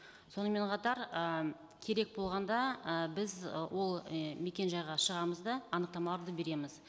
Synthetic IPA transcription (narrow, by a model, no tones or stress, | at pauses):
so̞nəme̞ɴqʰɑt̪ɑɾə | kʲʰe̞ɾe̞k̚bo̞lˠʁɑnd̪ɑəbɪzwo̞lˠme̞kʲe̞nʒɑjʁɑʃəʁɑməzd̪ɑɑnəqt̪ɑmɑlˠɑɾd̪əbe̞ɾe̞mɪz